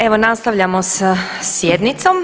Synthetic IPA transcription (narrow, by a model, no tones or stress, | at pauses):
e̞ʋonast̪aʋʎamosa | sjed̪nit̪som